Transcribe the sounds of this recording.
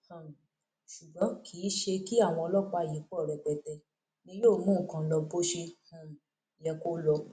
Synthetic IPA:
hã˨m˨ | ʃu˨ɡ͡bɔ̃˨˦kʰiː˨˦ʃe˧ki˦a˦˨w̃ɔ̃˧ɔ˧lɔ˦˨k͡pa˧˨ji˨˦k͡pɔ˦˨ɾɛ˨k͡pɛ˨tɛ˧ | nĩ˧˦joː˦˨mũ˦˨kã˧lɔ˧bo˦ʃe˧hũ˨ | jɛ˧ko˦lɔ˧

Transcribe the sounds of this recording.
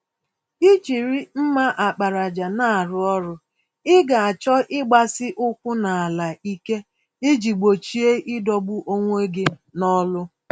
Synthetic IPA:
i˦t͡ʃi˨ɾi˦m̩˦ma˦ʔa˨k͡pa˨ɾa˨d͡ʒa˨na˦a˨ɾʊ˦ɔ˦ɾʊ˦ | ɪ˦ɡa˨a˨t͡ʃɔ˦ʔɪ˦ɡ͡ba˨sɪ˦ʔʊ˦kʷʊ˦na˨a˨la˨i˦ke˦ | ɪ˦d͡ʒi˨ɡ͡bo˨t͡ʃi˦e˦ʔɪ˦dɔ˦bʊ˦ʔo˦ŋʷ˦e˦ɡɪ˦nɔ˦lʊ˦

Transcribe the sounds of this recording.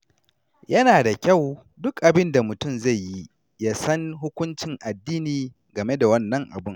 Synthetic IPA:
jɐ˦naː˨da˨kʲa˦˨w | dʊ˦kʔa˨bɪ˦nda˨mʊ˨tʊ˦˨mza˦˨jji˦ | ja˦sɐ˦ŋɦʊ˦kʷʊ˦nt͡ʃɪ˨ŋʔa˨dːiː˦niː˨ | ɡɐ˨me˦da˨wɐ˦nːɐ˦ŋʔa̰˨bʊ˦ŋ

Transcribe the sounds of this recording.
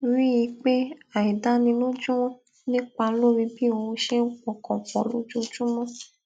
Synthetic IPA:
ɾĩ˦ji˧k͡pe˦a˨i˨da˦nĩ˧lo˦d͡ʒũ˦wɔ̃˦ | nĩ˦k͡pa˧lo˦mĩ˧bi˦o˧ʃe˦k͡pɔ̃˨kɔ̃˨k͡pɔ̰̃˨lo̰˦d͡ʒo˦d͡ʒũ˦mɔ̃˦

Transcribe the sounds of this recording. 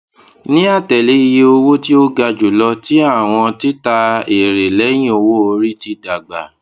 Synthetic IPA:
nĩ˦a˦˨tɛ˨le˨˦i˧je˧o˧wo˦ti˦o˦ɡa˧d͡ʒu˨lɔ˧ti˨˦a˦˨w̃ɔ̃˧ti˦ta˧e˨ɾe˨lɛ˨˦j̃ĩ˦o˧wo˦o˧ɾi˦ti˧da˨ɡ͡ba̰˨

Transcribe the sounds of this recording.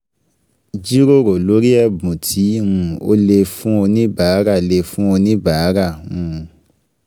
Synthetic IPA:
d͡ʒi˦ɾo˦˨ɾo˨lo˨˦ɾi˦ɛ˦˨bũ˨tʰĩ˨˦ũ˧o̰˦le˧fũ˦o˧nĩ˦ba˨˦ɾa˦˨le˧fũ˦o˧nĩ˦ba˨˦ɾa˦˨ũ˦˧

